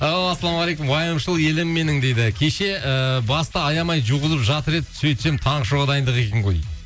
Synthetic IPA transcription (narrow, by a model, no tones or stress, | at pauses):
ɑasːɑlˠɑmɑlejkʊmwɑjəmʃəlˠje̞lɪmːe̞nɪŋd̪ejd̪ɪkʲʰe̞ʃe̞əbɑst̪ɑːjɑmɑjʒuʁəzəpʒɑt̪əɾe̞d̪ɪsɵjt̪ʃe̞mt̪ʰɑɴʃoʁɑd̪ɑjənd̪əʁe̞kʲeŋʁoj